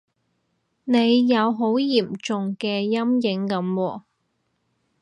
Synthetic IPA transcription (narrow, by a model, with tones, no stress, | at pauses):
ne˨˧jːɐ˨˧wɦo˨˥wji˨˩mt͡sʊ˨ŋkɛː˧jɐ˥mjɪ˨˥ŋkɐ˨˥mwɔː˧